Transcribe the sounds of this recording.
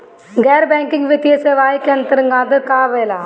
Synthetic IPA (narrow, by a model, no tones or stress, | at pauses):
ɡɛːɾbɛːŋkɪŋɡʋɐt̪ijɐseʋaːikent̪ɐɾɯŋɡãːd̪ɨkaːʋeːlaː